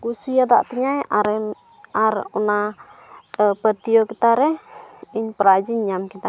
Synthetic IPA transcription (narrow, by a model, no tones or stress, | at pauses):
kusiada̰ʔt̪iɲajaɾɛ | aɾuna | əpərt̪ijɔkit̪aɾɛiɲpəɾad͡ʒiɲːamkit̪a